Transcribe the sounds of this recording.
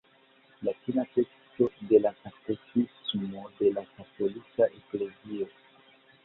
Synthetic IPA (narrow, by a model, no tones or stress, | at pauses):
lakinate̞ksto̞de̞lakatosisumode̞lakato̞likaʔe̞kle̞zio